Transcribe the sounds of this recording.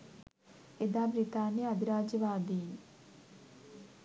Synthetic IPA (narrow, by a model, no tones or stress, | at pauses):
ed̪aːbɾit̪aːneːəd̪ɪɾaːd͡ʒəʋaːd̪iː